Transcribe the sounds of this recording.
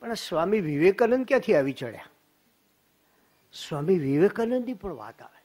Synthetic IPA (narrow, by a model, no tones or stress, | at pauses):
pəɳsʋamiʋiʋekənənkjãt̪ʰiaʋit͡ʃə̰ɭja̰ | sʋamiʋiʋekənənd̪ipəɳʋa̰t̪a̰ʋe